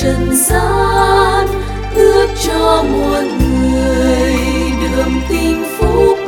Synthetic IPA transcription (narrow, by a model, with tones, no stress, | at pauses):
ə˨˩nzaː˧n | ɗɨ˦˥ək̚t͡ɕɔ˧mɔ˨˩t̚ŋɨ˨˩əjjɗɨ˨əŋt̪i˧nfu˧˥